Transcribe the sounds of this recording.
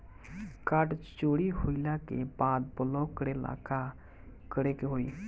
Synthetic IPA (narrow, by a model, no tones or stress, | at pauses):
kaʈt͡ʃoɽiɦoilakḛbad̪̚bəlɔkəɽela̰ka | kəɽekeɦoi